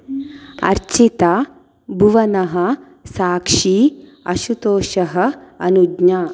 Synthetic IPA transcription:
ɐ̰ɾt͡ʃit̪aː | bʱuʋɐnɐɦɐ̆ | saːkʂiː | ɐʃut̪oːʃɐɦɐ̆ɐnudɲaː

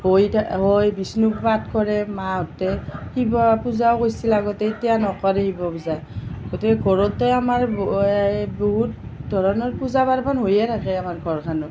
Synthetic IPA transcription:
hojtʰaɦojbisnukbatkɔɹɛmaɔtɛhibɔpuzawkojsilaɡɔtɛitijanɔkɔɾɛhibɔpuzajɡ̥otikɛɡʱɔɹɔtɛamaɹ | boɦut̚dʱɔɹɔnɔɹpuzabaɹmanɦojɛtʰakɛamaɹɡʱɔɹkʰanɔ

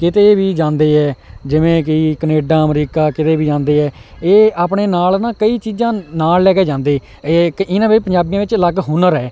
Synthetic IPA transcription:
kɪt̪eːʋiːd͡ʒãːnd̪eːɦɛːd͡ʒɪʋẽːk̬ɪkəneːɖãːəmɾiːkaːkɪt̪eːʋiːd͡ʒãːnd̪eːɦɛːeːaːpɳeːnaːlnãːkəiːt͡ʃiːzãːnaːllɛːkeːd͡ʒãːnd̪eː | kɪnãːʋepəɲd͡ʒaːbijãːʋɪt͡ʃləɡɦʊnəɾɛː

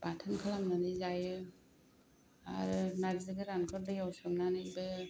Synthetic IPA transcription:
patʰɯnkʰɯlamnanɯzajɯ | a̰ɾɯnazɯɡɯɾankʰɔɾ̚dɯjawsɔmnanɯbɯ

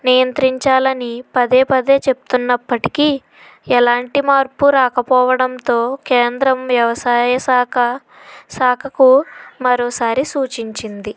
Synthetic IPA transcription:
nijɐnt̪ɾiɲt͡ʃaːlɐnipɐd̪e̞ːpɐd̪e̞ːt͡ʃe̞pu̥t̪unːɐpːɐʈi̥ki | ɛlaːɳʈimaːɾpuɾaːkɐpɔːʋɐɽɐnt̪o̞ːke̞ːnd̪ɾɐmʋjɐʋɐsaːjɐsaːkɐ | saːkʰɐkumɐɾoːsaːɾisuːt͡ʃiɲt͡ʃind̪i

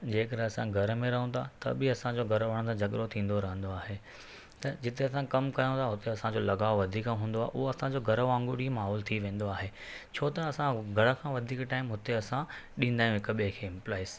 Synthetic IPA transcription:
d͡ʑeːkɐɾeɐsãɡʱɐɾəmẽɾɐɦə̃nt̪ʰa̰t̪ɐ̰bɪɐsãd͡ʑoːɡʱɐɾʋaɽ̃t̪ʰãd͡ʑɐɠɾot̪ʰĩːn̆d̪oɾɐɦə̃nd̪oaːɦe | t̪ɐd͡ʑɪt̪eɐsãkɐmkɐjõt̪ʰaɦʊt̪eɐsãd͡ʑoːlɐɡaːoʋɐd̪ʱiːkãɦũːn̆d̪oaːɦḛʔʊɦoɐsãd͡ʑoɡʱɐɾəʋãːŋɡuɽimaːɦɔːlt̪ʰiʋẽːn̆d̪oaːɦe | t͡ɕʰoːt̪ɐɐsãɡʱɐɽə̆kʰãːʋɐd̪ʱiːkʈaːɪmɦʊt̪eɐsãɗĩːn̆d̪aːjũɦɪk̆ɓekʰeːɪ̃mplaːɪs

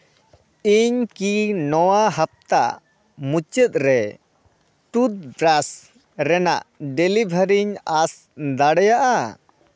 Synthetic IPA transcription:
iɲkinɔwaɦap̚t̪aʔ | mut͡ʃɛt̪̚ɾɛ | ʈut̪̚bɾas | ɾɛna̰ʔɖɛlibʱəɾiɲas | d̪aɽɛjaʔa

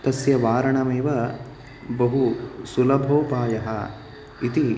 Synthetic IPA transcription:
t̪ɐsjɐʋaːɾɐɳɐmeːʋɐ | bɐɦusulɐbʱoːpaːjɐɦɐ | it̪i

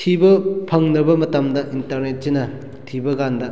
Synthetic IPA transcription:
tʰibɐpʰɐŋnɾɐbɐmɐtɐmdɐʔintɐɾnet̚sinɐ | tʰibɐɡandɐ

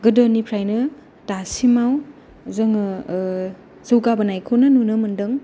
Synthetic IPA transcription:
ɡɯdɐnipʰɾajnɯ | tasimaw | zɐŋ | z̥ɯwɡabɐnajkʰonɐnunɯmɐndɯŋ

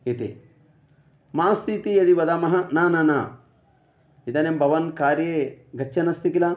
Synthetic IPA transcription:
it̪ḭ | maːst̪it̪ijɐd̪iʋɐd̪amɐɦɐnaːnɐna | id̪ɐnembʱɐʋɐnkaːɾjeɡʱɐt͡ʃːɐnɐst̪ikila

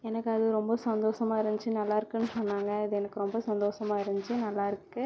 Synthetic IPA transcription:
ɛnɐkːɯɐðɯɾɔmbɐsɐnd̪oːʂɐmaːɪɾɐɲd͡ʒt͡ʃːɯnɐlːaːɪɾɯkːɯnːɯsɔnːaːŋɡɐɐðɯɛnɐkːɯɾɔmbɐsɐnd̪oːʂɐmaːɪɾɐɲd͡ʒt͡ʃɯnɐlːaːɪɾɯkːɯ

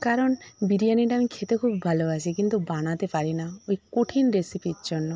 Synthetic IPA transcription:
kaɾɔnbiɾijaniʈaːmikʰet̪ekʰubbʱaloasʰikint̪ubañat̪epaɾinaojkoʈʰinɾesipid͡ʒɔnːɔ

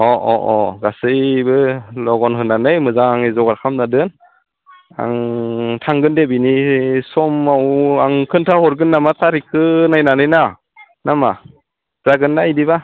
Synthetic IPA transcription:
ɔʔɔʔɔɡasɯjbɯlɔɡɔnɦɯnanɯjmɯzaŋaŋezɔɡaɾkʰamnadɯn | a̰ŋtʰaŋɡɯndebinisɔmawaŋkʰɯntʰahɔɾɡɯnːamatʰaɾikʰɯnajnanɯjna | nama | z̥aɡɯnːaidiba

